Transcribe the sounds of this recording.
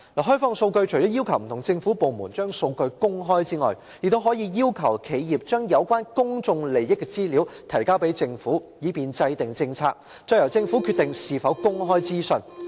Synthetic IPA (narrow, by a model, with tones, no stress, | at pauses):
laː˨˩ɦœ˥fɔː˧˥ŋso˧wkɵ˧ɥt͡ʃʰɵ˨˩jɔː˨˥ji˥wkʰɐ˨˩wm̩˨˩t̪ʰʊ˨˩ŋt͡sɪ˧ŋfuː˨˥po˨˧wmuː˨˩nt͡ʃœː˥ŋso˧wkɵ˧ɥkʊ˥ŋɦɔː˥jt͡siː˥ŋɔ̰ː˨j | jɪ˨k̚t̪o˥wɦɔː˨˥jiː˨˧jiː˥wkʰɐ˨˩wkʰe˨˧jjiː˨˩p̚t͡ʃœː˥ŋjɐ˨˧wkʷwaː˥nkʊ˥ŋt͡sʊ˧ŋle˨˩jjɪ˥kːɛ˧t͡siː˥liː˨˥wt̪ʰɐ˨˩jkaː˥wpe˨˥jt͡sɪ˧ŋfuː˨˥jiː˨˥piː˨nt͡sɐ˧jt̪ɪ˨ŋt͡sɪ˧ŋt͡sʰaː˧k̚ | t͡ʃœ˧jɐ˨˩wt͡sɪ˧ŋfuː˨˥kʰy˧t̪ɪ˨ŋsiː˨fɐ˨˥wkʊ˥ŋɦɔː˥jt͡siː˥sɵ˧n